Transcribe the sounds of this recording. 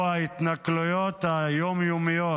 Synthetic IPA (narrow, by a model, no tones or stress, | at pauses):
ait̪naklujot̪hajomjomijo